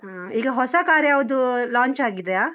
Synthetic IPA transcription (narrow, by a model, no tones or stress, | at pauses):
iːɡɐɦɔsakaɾjaʋd̪ulãːɲt͡ʃaɡid̪əjaː